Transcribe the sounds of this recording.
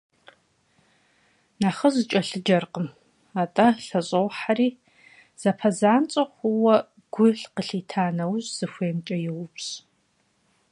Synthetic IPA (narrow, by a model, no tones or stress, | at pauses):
naːχɐzt͡ʃʼɐɬɨd͡ʒɐrqəm | aːtʼɐɬɐɕʼɐwħaɾiː | z̥ɐpʰɐzaːnt͡sʼɐχʷʊwɐ | ɡ̥ʷʊɬqəɬiːtʰaːnɐwʑz̥ɨxʷeːmt͡ʃʼɐjɪwʊpɕ